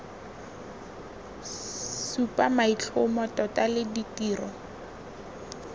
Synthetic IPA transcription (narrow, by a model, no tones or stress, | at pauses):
supʼamait͡ɬʰʊmɔtʼɔtalɪditiːrɔ